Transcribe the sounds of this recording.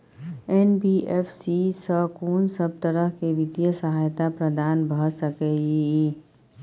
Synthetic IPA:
enbiepʰsisəkoːnsəb̚t̪əɾəɦkeʋid̪jəsəɦajt̪apɾəd̪aːnbʱəsəkɛi

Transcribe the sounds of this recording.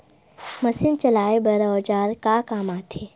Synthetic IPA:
mɐsɪnt͡ʃɐlaːebɐɾoːd͡ʒaːɾkaːkaːmaːt̪ʰeː

